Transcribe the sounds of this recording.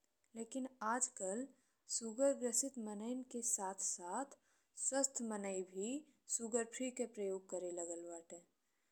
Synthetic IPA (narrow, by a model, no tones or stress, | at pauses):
leːkɪnaːd͡ʒkəl | suɡəɾɡɾəsɪt̪mənəɪnkesaːt̪ʰsaːt̪ʰ | swəst̪ʰmənəibʱi | suɡəɾpʰɾikepɾəjoːɡ̚kəɾeləɡəlʋəːʈɛ